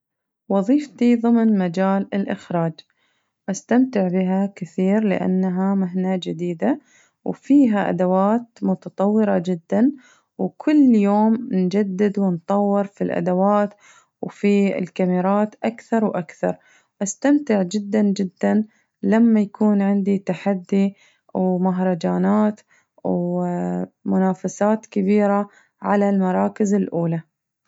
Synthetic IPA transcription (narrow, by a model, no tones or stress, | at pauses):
wɑðˤiːft̪iðˤɨmnmad͡ʒaːlɪlʔɪxɾaːd͡ʒ | ʔast̪amt̪ɪʕbɪɦakɪθiːɾlɪ̰ʔa̰nːɦamaɦnad͡ʒɪd̪iːd̪a | wfiːɦaʔa̰d̪awaːt̪mʊt̪ɑt̪ˤɑwːɪɾˤɑd͡ʒɪd̪ːan | wkʰʊlːjoːmnd͡ʒad̪ːɪd̪wɪnt̪ˤɑwːɪɾfilʔa̰d̪awaːt̪ | wfiɪ̰lkamiɾˤɑːt̪ʔakθɑɾˤwʔakθɑ̰ɾˤ | wʔast̪amt̪ɪʕd͡ʒɪd̪ːand͡ʒɪd̪ːan | lamːajakʰuːnʕɪnd̪it̪aħad̪ːi | wmaɦɾˤɑd͡ʒaːnaːt̪ | w | mʊnaːfasaːt̪kabiːɾa | ʕalalmɑɾˤɑːkɪzɪlʔuːla